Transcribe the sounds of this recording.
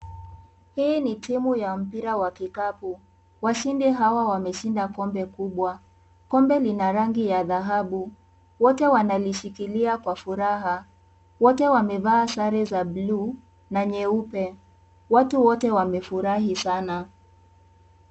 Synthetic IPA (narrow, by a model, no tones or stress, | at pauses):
hiːnitimujam̩piɾawakikapu | waʃindiɦawawamɛʃindakɔmbɛkuɓwa | kɔmbɛlinaɾaŋɡijaðaɦaɓu | wɔtɛwanaliʃikiliakwafuɾaɦa | wɔtɛwamɛvaːsaɾɛzabluː | naɲɛupɛ | watuwɔtɛwamɛfuɾaɦisana